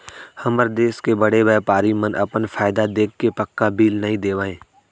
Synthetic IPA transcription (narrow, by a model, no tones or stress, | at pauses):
hɐməɾd̪eːskebəɽebɛːpaːɾimə̃nɐ̰pənfʰaːɪd̪ad̪eːkʰːepəkːabʱiːlnɐɦĩd̪eːʋãːẽː